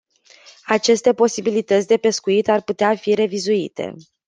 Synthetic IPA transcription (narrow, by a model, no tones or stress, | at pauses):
at͡ʃe̞st̪e̞po̞sibilit̪ət̪sʲd̪e̞pe̞skuit̪arput̪eafiɾe̞vizuit̪e̞̰